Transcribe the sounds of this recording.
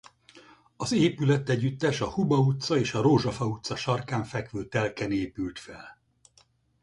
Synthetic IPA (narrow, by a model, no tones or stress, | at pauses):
ɒzeːpylɛt̪ːɛɟːyt̪ːɛʃɒhubɒut̪sɒeːʃɒɾoːʒɒfɒut̪sɒʃɒrkaːɱfɛkʋøːt̪ɛlkɛneːpylt̪fɛl